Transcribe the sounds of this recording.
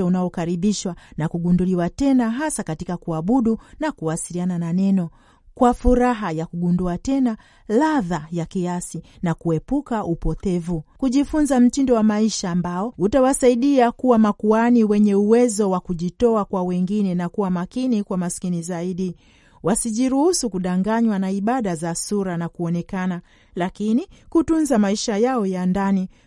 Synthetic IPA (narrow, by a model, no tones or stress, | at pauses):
aunaɔkaɾiɓiʃwanakuɡunduliwatɛnaɦasakatikakuaɓuɗunakuwasilianananɛnɔ | kwafuɾaɦajakuɡunduatɛna | laðajakiasinakuɛpukaʔupɔtɛvukuʄifunzam̩tindɔwamaiʃaːmbaɔutawasaiɗiakuwamakuaniwɛɲɛuwɛzɔwakuʄitɔakwawɛŋɡinɛnakuwamakinikwamaskinizaiɗi | wasiʄiɾuhusukuɗaŋɡaɲwanaiɓaɗazasuɾanakuɔnɛkana | lakinikutunzamaiʃajaɔjandani